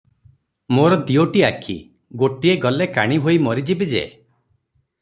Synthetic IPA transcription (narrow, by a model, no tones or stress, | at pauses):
moɾɔd̪ioʈiakʰḭ | ɡoʈieɡɔlekaɽ̃iɦoimɔɾid͡ʒibid͡ʒḛ